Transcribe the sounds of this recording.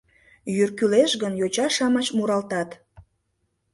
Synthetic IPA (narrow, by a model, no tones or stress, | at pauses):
jyrkyleʃɣənjot͡ɕɑʃɑmɑt͡ɕmuɾɑlt̪ɑt̪